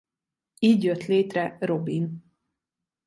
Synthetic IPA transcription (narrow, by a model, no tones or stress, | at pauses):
iːɟjøt̪leːt̪rɛro̞bin